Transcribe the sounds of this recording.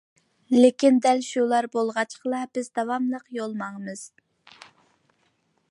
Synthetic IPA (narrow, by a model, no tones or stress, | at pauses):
lekʲind̪ɛlʃulˠɑɾbolˠʁɑt͡ʃʰqəlˠɑbɪzd̪ɑwɑmlˠəqjolˠmɑŋəmɨz̥